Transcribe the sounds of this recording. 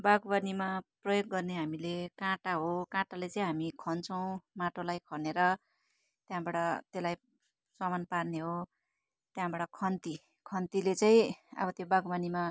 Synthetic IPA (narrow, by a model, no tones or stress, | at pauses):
baɡbanimaprʌjoɡːʌrneɦamilekãʈaɦokãʈalet͡sʌĩɦamikʰʌnt͡sʰʌw̃maʈolajkʰʌneɾʌ | t̪jãbaɽʌt̪elaj | sʌmanparneɦo | t̪jãbaɽʌkʰʌnt̪i | kʰʌnt̪ilet͡saĩʌ̰bʌt̪jobaɡbanima